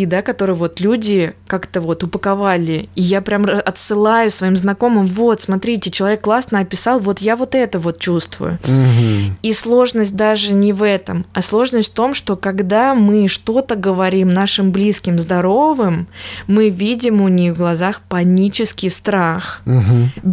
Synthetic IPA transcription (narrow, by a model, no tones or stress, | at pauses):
id̪akɐt̪o̞ɾɨjvo̞t̪lʲudʲɪkakt̪əvo̞t̪ʊpəkɐvalʲɪːjapɾʲamɐt̪sɨlˠajʊsvɐimznɐko̞mɨmvo̞t̪smɐt̪ɾʲitʲɪt͡ɕɪlˠɐvʲekːlˠasnəɐpʲɪsɑlˠvo̞t̪javo̞t̪ɛt̪əvo̞t̪̚t͡ɕust̪vʊ̰jʊ̰ | islˠo̞ʐnəsʲt̚ʲd̪aʐɨnʲɪvɛt̪əmɐslˠo̞ʐnəsʲtʲft̪o̞mʂt̪o̞kɐɡd̪amɨʂt̪o̞t̪əɡəvɐɾʲimnaʂɨmblʲiskʲɪmzd̪ɐɾo̞vɨmːɨvʲidʲɪmʊnʲixvɡlˠɐzaxpɐnʲit͡ɕɪskʲɪjst̪ɾax̩ɦ